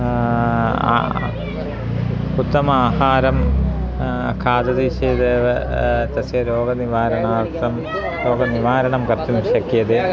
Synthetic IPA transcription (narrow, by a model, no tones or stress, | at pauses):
put̪ːɐmaːhaːɾɐm | kʰaːd̪ɐd̪iːʂeːd̪ɐːʋɐt̪ɐsjɐɾoːɡɐniʋaːɾɐɳaːrt̪ɐm | ɾoːɡɐniʋaːɾɐɳɐmkɐrt̪ːumiʂɐkːijɐðɨ